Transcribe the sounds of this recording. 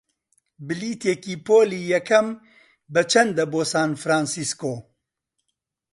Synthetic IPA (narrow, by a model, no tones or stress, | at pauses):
bɨliːt̪eːkiːpʰoːliːjɛkʰɐm | bɨt͡ʃʰɐnd̪ɐboːsaːnfɾaːnsiskoː